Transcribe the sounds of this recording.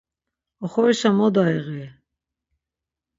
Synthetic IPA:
ɔχɔɾisamɔd̪aiɣɛ

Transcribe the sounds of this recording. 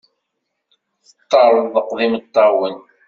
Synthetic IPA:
θət̪ˤːɑɾˤəððəqðimət̪ˤːɑwən

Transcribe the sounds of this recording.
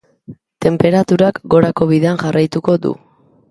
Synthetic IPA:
t̪e̞mpe̞ɾat̪uɾakɡo̞ɾako̞β̞iðe̞anʝarajt̪uko̞d̪ṵ

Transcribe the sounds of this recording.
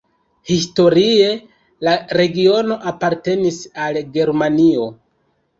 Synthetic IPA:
histo̞ɾie̞ | laɾe̞ɡio̞no̞ʔapaɾte̞nisalɡe̞ɾmanio̞

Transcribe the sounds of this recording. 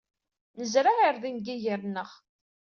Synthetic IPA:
nəzɾaʁiɾðinɡiʝəɾnəʁ

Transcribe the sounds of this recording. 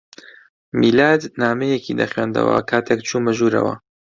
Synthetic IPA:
miːlaːd̪naːmejekʰid̪ɐxɥeːnd̪ɐ̰wɐ̰kʰaːt̪ʰekt͡ʃʰuːmɐʒuːɾɐ̰wɐ̰

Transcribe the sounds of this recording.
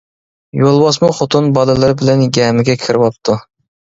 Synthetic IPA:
jolˠwɑsmuχot̪ʰunbɑlˠɨlˠɨɾɨbɪlɛnɡʲɛːmɪɡʲɛkʲʰiɾɪwɑp̚t̪ʰu

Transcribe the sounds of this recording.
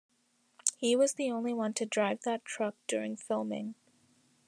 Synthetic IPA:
hiwʌzðiõʊ̃nliwʌ̃ntʰɨdɹaɪvðətʰɹ̥ʌk̚d̥ʊɹɪ̰̃ŋfɪlˠmɪ̰̃ŋ

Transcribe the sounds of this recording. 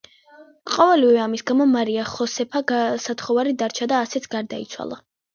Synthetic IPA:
qʼɔvɛlivɛamisɡamɔmaɾiaχɔsɛpʰaɡasat̪ʰχɔvaɾid̪aɾt͡ʃʰad̪aːsɛt̪sʰɡaɾd̪aḭt̪sʰwa̰lˠa̰

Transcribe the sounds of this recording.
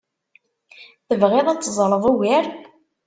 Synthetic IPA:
θəvʁeðˤæt͡sːzˤɾˤəðˤuwɪɾ

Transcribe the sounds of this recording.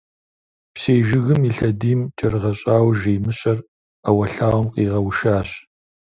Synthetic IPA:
pseːʒɪɣɨmiːɬɐdiːmt͡ʃʼɐrɨʁɐɕʼaːwʒejmɨɕʼɐr | ɐwɐɬaːwɐmqʼiːʁɐwʃaːɕ

